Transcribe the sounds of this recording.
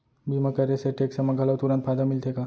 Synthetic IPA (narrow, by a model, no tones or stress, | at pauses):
biməkəɾeseʈeksəməɡʱaləʋt̪uɾãn̚fʰad̪amilt̪ʰeka